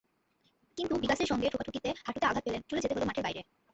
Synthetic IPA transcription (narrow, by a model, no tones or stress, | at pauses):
kint̪ubikaʃeɾʃɔŋɡeʈʰokaʈʰukit̪ehaʈʰut̪eaɡʱat̪̚pelent͡ɕuled͡ʑet̪eɦolomaʈʰeɾbajɾe